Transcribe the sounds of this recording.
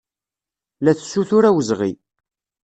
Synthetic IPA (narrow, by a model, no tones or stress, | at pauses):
læθsːuθʊɾæwəzʁḭ